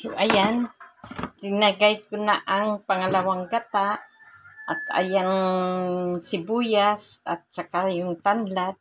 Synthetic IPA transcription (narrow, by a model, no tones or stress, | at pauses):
jʊʔajan | ɾɪnaɡajt̪̚kʊnaʔaŋpaŋalawaŋɡat̪a | ʔat̪a̰jaŋ | sɪbujasat̪̚t͡ʃakajʊŋt̪anlat̪̚